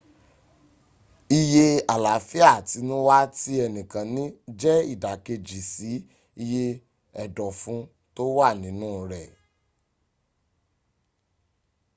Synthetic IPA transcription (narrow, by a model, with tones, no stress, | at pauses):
i˧je˧a˨la˨fi˦a˦˨ti˨˧˦nũ˦wa˦ti˦ɛ˧nĩ˨kã˨˦nĩ˦d͡ʒɛ˦ḭ˦˨da˨ke˧d͡ʒi˨si˨˦ | i˧je˧ | ɛ˨dɔ˨fũ˨˧˦ | to˦wa˦˨nĩ˨˦nũː˦˨ɾɛ˨